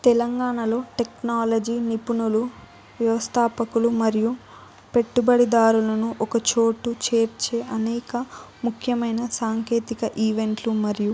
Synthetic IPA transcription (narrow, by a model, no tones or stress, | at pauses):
t̪ɛlɐŋɡaːɳɐlo̞ːʈe̞knaːlɐd͡ʒinipunulu | ʋjɐʋɐst̪ʰaːpɐkulumɐɾiju | pe̞ʈːubɐɽid̪aːɾulɐnuʔɔkɐt͡ʃo̞ːʈːut͡ʃe̞ːɾt͡ʃe̞ːʔɐnɛːkɐmukʰjɐmɐjnɐsaːŋke̞ːt̪ikɐʔiːʋe̞ɳʈlumɐɾiju